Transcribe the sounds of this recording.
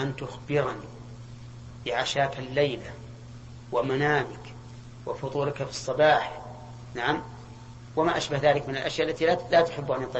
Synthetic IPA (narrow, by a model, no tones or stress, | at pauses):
ʔant̪ʊxbɪɾani | bɪʕaʃaːkalːajla | wamanaːmɪk | wɪfʊðˤuːlkafɨsˤːɑbɑːħ | naʕam | wamaʔaʃbahðaːlɪkmɪnalʔaʃjaʔalːat̪ilat̪ʊ̥ħɪbːʔanjt̪ˤːɑ